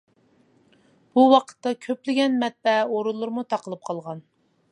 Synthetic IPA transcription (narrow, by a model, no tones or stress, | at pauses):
b̥uwɑqʰə̥t̪ːɑkʲʰøplɪɡʲɛnmɛt̪̚bɛoɾulˠːʊɾmut̪ʰɑqʰəlˠɨp̚qʰɑlˠʁɑn